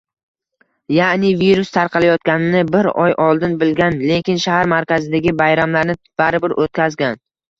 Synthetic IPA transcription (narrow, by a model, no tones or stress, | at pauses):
janɪviɾʊst̪ʰaɾqʰɑlajɒt̪kʲanɪnɪbɪɾɒjʔɒlˠd̪ɪnbɪlɡʲanle̞kʲɪnʃahaɾmaɾkʲazɪd̪aɡʲɪbajɾamlaɾnɪ | b̥aɾɪbɪɾʔot̪̚kʲʰazɡʲan